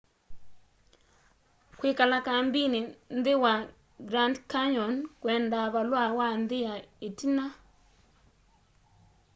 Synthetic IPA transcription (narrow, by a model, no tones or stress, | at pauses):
kwɪkalakambinɪnd̪ɪwa | ɡɾandkaɲɔnkwɛndaβalwawand̪ɪjaetina